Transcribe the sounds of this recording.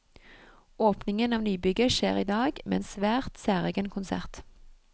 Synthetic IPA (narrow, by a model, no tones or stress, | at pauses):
oːpnɪŋənɑːʋnyːbʏɡəʃeːʁiːd̪ɑːɡmḛːeːnsʋæːʁt̪sæːʁeːɡənkʰʊnsæ̰ʁt̪